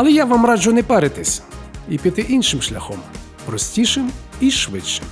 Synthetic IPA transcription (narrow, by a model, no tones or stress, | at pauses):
ɐlˠɛjaʋamrɑd͡ʒʊjnɛpɛɾɪt̪ɪsʲipʲit̪ɪʔinʃɪmʃlʲɐxɔm | pɾɔsʲtʲiʃɪmiʃʋɪt͡ʃːɪ̥m